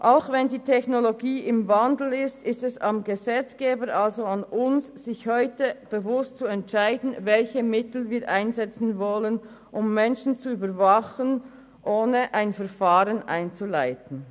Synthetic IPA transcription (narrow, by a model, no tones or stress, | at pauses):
ʔaʊxvɛndiːtʰɛçnoloɡiːʔɪmvandl̩ɪstɪstɛsamɡəzɛt͡sɡ̥eːbəɾʔalzoanʊnsz̥ɪçhɔʏtəb̥əvʊstt͡suɛntʃaɪdn̩vɛlçəmɪtl̩viːɐʔaɪnzɛt͡sn̩vɔlən | ʔʊmːɛnʃn̩t͡suyːbəvaχən | ʔoːnəʔaɪnfɛɐfaːʁənʔa̰ɪnt͡sulaɪtn̩